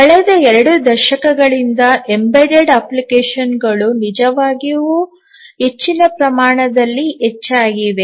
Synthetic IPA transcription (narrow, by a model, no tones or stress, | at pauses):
kɐɭɛd̪ɐɛɾɐɽud̪ɐɾʃɐkɐɡɐɭind̪ɐembeɖeɖɐːplikeːʃɐnɡɐɭunid͡ʒɐʋaːɡiʋu | et͡ʃːinɐpɾɐmaːɳɐd̪ɐlːiet͡ʃːaːɡiʋe̞